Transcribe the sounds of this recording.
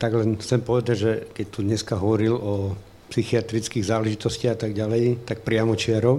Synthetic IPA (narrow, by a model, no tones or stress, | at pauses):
t̪aɡlɛnxt͡sɛmpɔʋɛd̪aɟʒɛkɛc̚t̪ud̪ɲɛskaɦɔʋɔɾilɔ | psixiat̪ɾit͡skiɣzaːlɛʒit̪ɔsciaɣat̪aɡɟalɛjt̪ak̚pɾɪamɔt͡ʃɪaɾɔ